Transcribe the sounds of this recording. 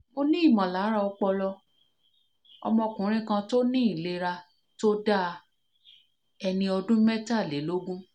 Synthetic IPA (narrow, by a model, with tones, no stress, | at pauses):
mo˧nĩ˦i˦˨mã˨la˨˦ɾa˧ɔ˧k͡pɔ˧lɔ˧ | ɔ̰˧mɔ̃˧kũ˨˦ɾ̃ĩ˦kã˧to˦nĩ˦i˦˨le˧˦ɾa˧ | to˦da˦˧ | ɛ˧nĩ˧ɔ˧dũ˦mɛ˦ta˦˨le˨˦lo˦ɡũ˦